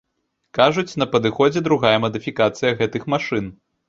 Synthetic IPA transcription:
kaʐut͡sʲn̪ɐpɐd̪ɨxɔd͡zʲɛd̪ɾuɣajɐmɐd̪ɨfʲikat̪sɨjɐɣɛt̪ɨxmaʂɨn

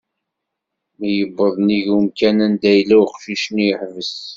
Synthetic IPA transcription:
mijəbːəðˤniʝumkænænd̪æjlːæwqʃiʃəniħvəs

